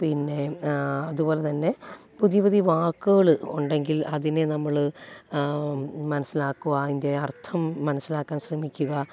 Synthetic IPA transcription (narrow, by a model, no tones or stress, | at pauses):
pinːe̞ɐðubo̞ːle̞t̪ɐnːe̞ | puðiʋɐðiʋaːkːɨɣɐɭɨuɳɖe̞ŋɡilɐðinenɐmːɐɭɨ | mɐnɐsːilaːkːuɣɐinde̞ɐrt̪ʰɐmːɐnɐsːilaːkːaːnɕrɐmikʲːuɣɐ